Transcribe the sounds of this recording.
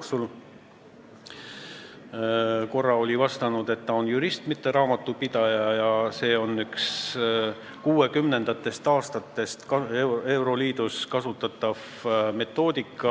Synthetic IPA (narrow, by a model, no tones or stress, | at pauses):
oksul | ko̞rːɑo̞lʲivɑst̪ɑnud̪̥e̞t̪ːɑonjuɾist̪mit̪ːe̞ɾɑːmɑt̪ːˑupid̪̥ɑjɑjɑse̞ːo̞nːyks | kuːe̞kymne̞nd̪̥ɑt̪ːˑe̞st̪ɑːst̪ɑt̪ːˑe̞st̪kɑee̞wɾo̞liːd̪̥uskɑsut̪ːˑɑt̪ːˑɑv̥ | me̞t̪ːˑo̞ːd̪̥ikːˑɑ